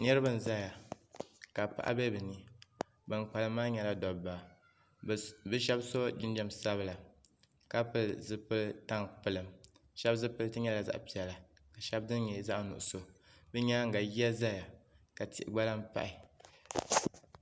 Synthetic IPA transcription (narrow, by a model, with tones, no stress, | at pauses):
nɛ˦ɾɨ˦bɨ˨n̩˨za˦ja˨ | ka˨pa̰˨ʔa̰˦bɛ˦bɨ˨ni˨ | bɨ˨ŋk͡pa˨lɨ˦maː˦ɲɛ˨la˦dɔ˨bba˨ | bɨ˦ʃɛ˦bso˦d͡ʒi˦n˦d͡ʒɛ˨msa˦βɨ˦la˨ | ka˦pɨ˦lzɨ˦pɨ˦lta˦ŋpɨ˨lɨ˨m | ʃɛ˦bzɨ˦pɨ˦ltɨ˦ɲɛ˦la˨za̰˨ʔpi˨ɛ˨la˨ | ka˨ʃɛ˦b̚dɨ˦n˦ɲɛ˨za˦ʔnʊ̰˨ʔʊ˨so˦bɨ˦ɲɛ˦ŋ̩˨ɡa˨ji˦ɛ˦za˦ja˨ka˨ti˨ɪ˨ɡ͡ba˦la˦m˦pa̰˦ʔi˨